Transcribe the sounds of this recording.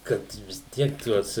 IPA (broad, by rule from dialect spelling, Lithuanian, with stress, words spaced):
ˈkɐt ʋʲɪs ˈtʲiɛk ˈtuɔs